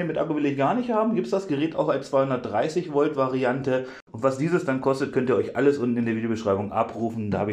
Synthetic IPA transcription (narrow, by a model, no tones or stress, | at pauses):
əmɪtʔa̰kovɪlɪçɡ̥aːɐnɪçthaːbm̩ɡiːp̚tsd̥asɡ̥əʁɛːta̰ʊxaɪnt͡sv̥aɪhʊndɐt̚d̥ʁaɪsɪçvɔltv̥aʁiantə | ʔʊntv̥asd̥iːzəsd̥ankʰɔstət̚kʰœntiːɐɔʏçʔa̰ləsʔʊntn̩ɪndeːɐvidjobəʃʁ̥aɪbʊŋʔa̰pʁuːfn̩daːhaːbɪ